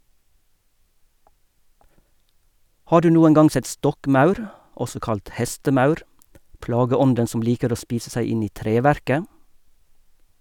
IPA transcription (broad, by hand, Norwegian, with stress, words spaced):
ˈhɑː ˈɖʉː ˈnuːəŋ ˈɡɑŋ ˈsɛt ˈstɔkˌmɑʉɾ ˈʔɔsɔ ˈkɑlt ˈhɛstəˌmɑʉɾ ˈplɑːɡəˌɔndən ˈsɔm ˈliːkəɾ ˈoː ˈspiːsə ˈsæɪ ˈɪn ˈiː ˈtɾeːˌʋæɾkə